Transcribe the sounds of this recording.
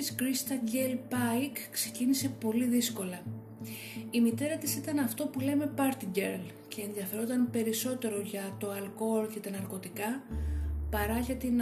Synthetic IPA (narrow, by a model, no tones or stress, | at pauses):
iskɾist̪ɐɟelpɐikːse̞̥cinise̞po̞liðisko̞lɐ | imit̪e̞ɾɐt̪isit̪ɐnɐft̪o̞pule̞me̞pɐɾt̪iɟeɾl | ce̞ːnðʝɐfe̞ɾot̪ɐnpe̞ɾiso̞t̪e̞ɾo̞ʝɐt̪o̞ɐlko̞lce̞t̪ɐnɐɾko̞t̪ikɐ | pɐɾɐʝɐt̪in